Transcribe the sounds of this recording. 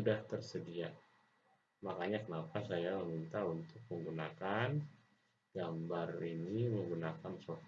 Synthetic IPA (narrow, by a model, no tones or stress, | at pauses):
udaht̪ərsədia | makaɲakənapasajaməmint̪aunt̪ʊk̚məŋɡunakan | ɡ̥ambariniməŋɡunakansof